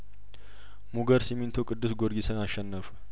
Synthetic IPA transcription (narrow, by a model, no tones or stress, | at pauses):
muɡəɾsimint̪ʰokʼɨd̪ːɨsɡoɾɡisɨnaʃːɛnːəf